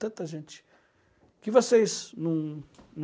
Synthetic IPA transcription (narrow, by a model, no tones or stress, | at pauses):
t̪ɐ̃t̪ɐʒẽnt͡ʃɪ̥ | kɪvosejznɐ̃w̃ñ